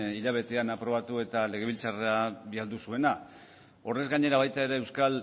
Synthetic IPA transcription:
iʎaβ̞e̞t̪e̞anapɾo̞β̞at̪ue̞t̪ale̞ɣ̞e̞βilt͡sareaβiald̪usue̞na | o̞re̞zɡaɲe̞ɾaβajt̪aeɾeewskal

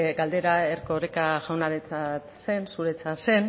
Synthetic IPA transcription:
ɡald̪e̞ɾaerkoɾekaʝawnaɾet͡sat̪se̞nsuɾe̞t͡sase̞n

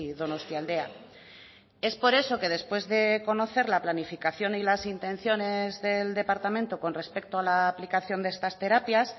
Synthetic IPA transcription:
ðo̞no̞st̪jald̪e̞a̰ | e̞spo̞ɾe̞so̞ke̞ð̞e̞spwe̞zðe̞ko̞no̞θe̞ɾlaplanifikaθjo̞nilasint̪ẽ̞n̟θjo̞ne̞zðe̞ld̪e̞paɾt̪amẽnt̪oko̞nre̞spe̞k̚t̪oalaplikaθjo̞nd̪ee̞st̪ast̪e̞ɾapjas

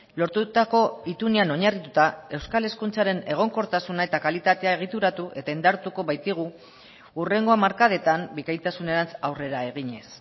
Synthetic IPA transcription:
lo̞ɾt̪ut̪ako̞it̪uniano̞ɲarit̪ut̪ae̞wskale̞skunt͡saɾe̞ne̞ɣ̞o̞ŋko̞ɾt̪asunae̞t̪akalit̪at̪e̞ae̞ɣ̞it̪uɾat̪uʔe̞t̪aind̪aɾt̪uko̞βajt̪iɣ̞u | ure̞ŋɡo̞amaɾkað̞e̞t̪ambikajt̪asune̞ɾant͡sawre̞ɾae̞ɣ̞iɲe̞s

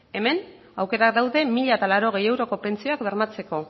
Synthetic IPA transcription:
e̞me̞n | awke̞ɾak̚d̪awðe̞miʎaet̪alaɾo̞ɣe̞je̞wɾo̞ko̞pe̞nt͡sio̞akbeɾmat͡se̞ko̞

